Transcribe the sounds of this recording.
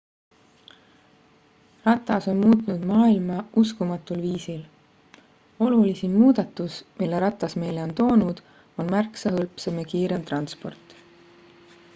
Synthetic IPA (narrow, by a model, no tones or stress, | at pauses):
rɑt̪ːˑɑso̞nmuːt̪ˑunud̪̥mɑːilmɑuskumɑt̪ːˑulviːsil | o̞lulisimuːd̪̥ɑt̪ːˑusmilːeɾɑt̪ːˑɑsme̞jle̞o̞nt̪o̞ːnud̪̥ | o̞nmærksɑhɤlpsemekiːɾe̞mt̪rɑnspo̞rt̪ˑ